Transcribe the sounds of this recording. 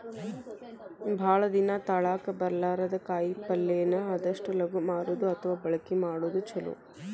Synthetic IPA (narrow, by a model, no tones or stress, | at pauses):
bʱaːɭɐd̪inɐt̪ɐɭaːkɐbɐɾɐlaːɾɐd̪ɐkaːjpɐlːejɐnːɐɐd̪ɐʂʈɐlɐɡumaːɾuːd̪uɐt̪ʰɐʋaːbɐɭɐkimaːɽuːd̪ut͡ʃɐlṵ